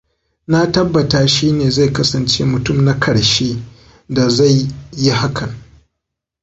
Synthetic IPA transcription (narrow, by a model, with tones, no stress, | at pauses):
na˦tɐ˦bːɐ˨taː˦ʃiː˦neː˨za˦˨jkɐ˦sɐ˨nt͡ʃeː˦mʊ˨tʊ˦mna˦kʰɐ˨ɽʃeː˦ | da˨za˦˨jːi˦ha˦kʰɐ˨ŋ